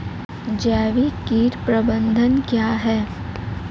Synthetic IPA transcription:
d͡ʒɛːʋikiːɾpɾəbə̃nd̪ʱənkjaːɦɛː

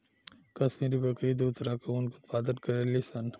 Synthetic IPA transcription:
kɐsmiɾibɐkɾid̪uːt̪ɾakounkot̪paːd̪ənkɐɾelisɐn

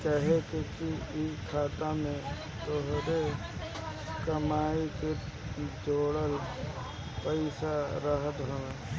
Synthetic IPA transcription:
t͡ʃaɦekekiikʰaːt̪amẽ | t̪oɦɾe | kəmaːike | d͡ʒoːɽəl | pəɪsaɾəɦət̪ɦoʋeː

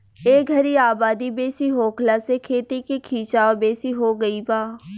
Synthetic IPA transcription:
eːɡʱɐɾiaːbaːd̪ibeːsiɦoːkʰlasekʰeːt̪ikekʰiːt͡ʃaːʋbeːsiɦoɡəibaː

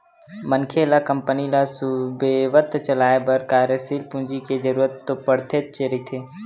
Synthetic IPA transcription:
mənkʰelakəmpənilasʊbeʋət̪t͡ʃəlaːebəɾkaːɾjəsiːlpũnd͡ʒiked͡ʒəɾuːɾət̪ːopəɽ̤t̪ʰeːt̪t͡ʃeɾit̪ʰeː

